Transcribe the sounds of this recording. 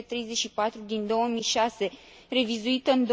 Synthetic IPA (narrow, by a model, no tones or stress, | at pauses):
et̪ɾe̞jze̞tʃipat̪ɾud̪ind̪o̞wəmijʃase̞ | re̞vizuit̪əɨnd̪